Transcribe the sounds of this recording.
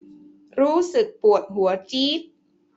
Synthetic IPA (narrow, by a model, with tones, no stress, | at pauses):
ɾuː˦˥sɯ˨˩k̚pu˨˩ət̪̚ɦu˩˦ɐt͡ɕiː˦˥˩t̪̚